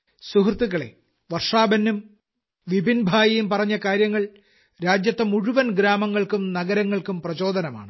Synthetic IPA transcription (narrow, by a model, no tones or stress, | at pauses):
suɦrt̪ːuɣɐɭḛ | ʋɐrʂaːbɐnːum | ʋibʱinbʱaːjɐjumpɐrɐɲːɐkaːɾjɐŋːɐɭ | ɾaːd͡ʑjɐt̪ːɐmuɻuʋɐnɡɾaːmɐŋːɐɭkumnɐɡɐɾɐŋːɐɭkumprɐt͡ɕo̞ːd̪ɐnɐma̰ːɳɨ